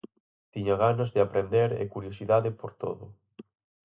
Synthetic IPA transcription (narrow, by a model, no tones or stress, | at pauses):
t̪iɲaɣanazðɪapɾend̪eɾḛkuɾjosiðaðɪpoɾt̪o̰ðʊ